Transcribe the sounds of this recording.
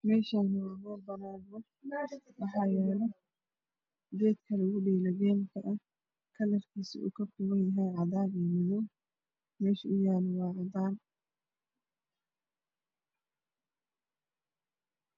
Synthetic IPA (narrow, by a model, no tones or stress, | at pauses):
mɛːʃaːnhɐbɔːbɐnaːɣɔ | wɑħɑːjɛːlɛ | dɛːd̪kʰɐlɐɣʊɖɛːlɐɣɛːnkʰɐʔɐ | kʰɐlɐrkʰiːsɪ̰ṵkʰɐfʊɣɐnjɐɦɛjʕɑd̪aːniːmɪðɔw | mɛːʃɐʊjaːlɔwɑːʕɑd̪aːn